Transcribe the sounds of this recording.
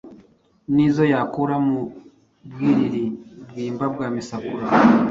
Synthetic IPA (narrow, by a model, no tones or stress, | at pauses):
niːzo̞jaːkuɾamu | bɡiːɾiɾibɡiːmbab̚ɡaːmisakuɾa